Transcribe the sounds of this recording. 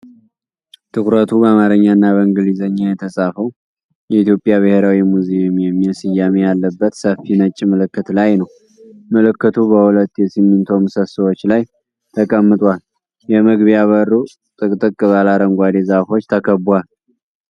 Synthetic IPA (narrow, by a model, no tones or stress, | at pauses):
t̪ʰɨkɾət̪ʰubəamaɾəɲːanːaβəɨŋɡɨlizəɲːajɛt̪ʰəsʼafəw | jɛit̪jo̞pʼːjaβɨheɾawimuzemjɛmːiɛsijːamejalːəbːət̪səfːinət͡ʃʼːimɨlɨkːɨt̪lajnəw | məlɨkːɨt̪ʰubəhulət̪ːjɛsimːɨnt̪ʰo̞mɨsəsɨwo̞t͡ʃːlaj | t̪ʰəkʼəmːɨt̪ʼwal | jɛmɨɡβijaβəɾːu | t̪ʼɨkʼt̪ʼɨkʼːɨβalaɾəŋɡʷad̪e̞zafo̞t͡ʃːt̪ʰəkʰəbwal